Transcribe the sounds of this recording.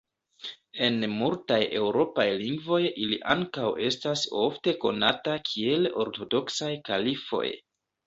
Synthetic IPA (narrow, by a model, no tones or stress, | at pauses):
e̞nmultaje̞wɾo̞pajliŋɡvo̞jilḭʔaŋkawʔe̞staso̞̰fte̞ko̞̰natakʰie̞lo̞̰ɾto̞do̞ksajkalifo̞̰j